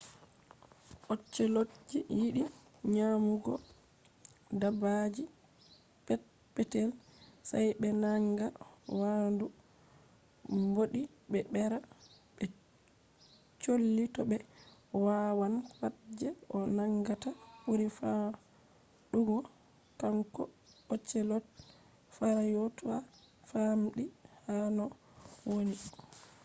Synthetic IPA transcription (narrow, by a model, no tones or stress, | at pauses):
ʔot͡ʃːɛlod͡ʒːijiɗi | ɲamuɡɔ̰ | dabad͡ʒi | pɛ | pɛtɛlsajɓɛnaŋɡawandu | mboɗi | bɛɓɛɾa | ɓɛ | t͡ʃolːitɔɓɛwawanwad͡ʒɛʔɔnaŋɡatabuɾifa | ɗuɡɔ | kaŋkɔ | ɔt͡ʃːɛlɔt̚ | faɾajotɔa | famɗihanɔ | woni